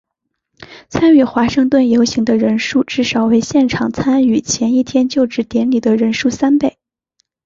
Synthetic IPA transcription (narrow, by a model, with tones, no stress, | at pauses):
t͡sʰa˥ny˥˩xwa˧˥ʂɤ˥˧ŋt̪wə˥˩njo˧˥ʊɕi˧˥ŋd̪ə˧ɻə˧˥nʂu˥˧ʈ͡ʂɻ̩˥˩ʂɑ˨˩ʊwe˧˥ɪɕjɛ˥˩nʈ͡ʂʰɑ˨˩ŋt͡sʰa˥ny˨˩t͡ɕʰjɛ˧˥ni˥˩t̪ʰjɛ˥nt͡ɕjo˥˧ʊʈ͡ʂɻ̩˧˥t̪jɛ˧˥nli˨˩d̪ə˦ɻə˧˥nʂu˥˩sa˥npe˥˩ɪ